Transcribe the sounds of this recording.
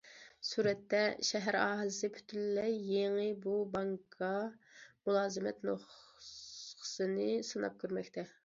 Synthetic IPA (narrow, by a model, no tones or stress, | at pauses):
suːɾɛt̪ːɛʃɛɦæɾɑːɦəlɪsɪpʰy̥t̪ʰylːɛjːeŋɨbubɑŋkʰɑmulˠɑːzɨmɛt̪noχ | qʰə̥sɨnɨsɨnɑ̰p̚kʲøɾmɛkʲt̪ʰɛ